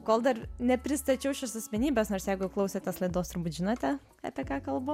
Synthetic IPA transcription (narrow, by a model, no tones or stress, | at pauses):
koːlˠd̪ɐrnʲɛpʲɾʲɪst̪ɐt͡ʃʲɛʊʃʲɛsɐsʲmʲɛnʲiːbʲɛsnoːrsjɛɪɡʊklˠɐʊsʲɛt̪ʲɛslˠɐɪd̪oːst̪ʊɾbuːt̪ʲʒʲɪnoːt̪ʲɛ | ɐ̰pʲiɛkɑːkɐlˠbʊ